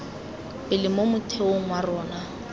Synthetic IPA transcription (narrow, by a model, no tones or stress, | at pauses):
bɪlɪmomʊtʰeoŋ̩warɔːna